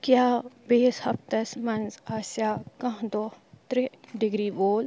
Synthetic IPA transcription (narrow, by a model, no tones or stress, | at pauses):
kjaːbeːshɐpt̪ɐsmɐnzaːsjaːkɐ̃ɦd̪oːt̪ɾiɖɪɡɾiːboːl